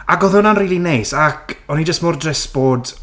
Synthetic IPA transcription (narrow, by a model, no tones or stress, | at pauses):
aɡɔðʊnanriːlˠinejsakʰɔnid͡ʒəstmɔrdrɛsb̥oːd